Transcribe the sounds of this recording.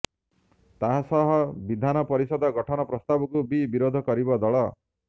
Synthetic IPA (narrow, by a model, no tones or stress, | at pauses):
t̪aɦasɔɦɔbid̪ʱanɔpɔɾisɔd̪ɔɡɔʈʰɔnɔpɾɔst̪abɔkubibiɾod̪ʱɔkɔɾibɔd̪ɔɭɔ